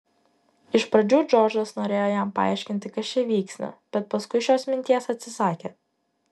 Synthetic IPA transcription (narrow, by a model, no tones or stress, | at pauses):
ɪʃpɾɐd͡ʒʲuːd͡ʒɔːd͡ʒɐsnoːɾʲeːjoːjæmpɐɑ̰ˑɪʃʲkʲɪnʲt̪ʲɪkɐʃt͡ʃʲɛʋʲiːksʲnɐ̰b̥ʲɛt̪̚pɐskʊɪʃʲoːsmʲɪnʲt̪ʲiɛsɐt̪ʲsʲɪsɑːkʲeː